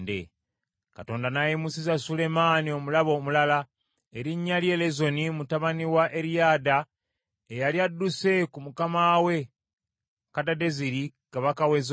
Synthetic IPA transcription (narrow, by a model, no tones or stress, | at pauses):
dḛ | kato̞ːndanajimusizasule̞maːnio̞mulaβo̞ːmulala | eɾiɲːalje̞lezo̞nimutaβaniwaʔe̞ɾijaːda | ejaljadːuse̞kumukamawe̞ | kadade̞ziɾikaβakawez